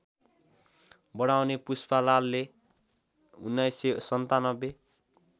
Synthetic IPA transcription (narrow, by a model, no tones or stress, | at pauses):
bʌɽawnepuspalalːe | unːajsesʌnt̪anʌbe